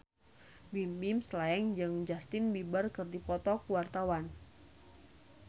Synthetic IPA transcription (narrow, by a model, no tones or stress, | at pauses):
bimbimslaɛŋd͡ʒɨŋd͡ʒast̪ɪnbibərkɨrdipɔt̪ɔkuwart̪awan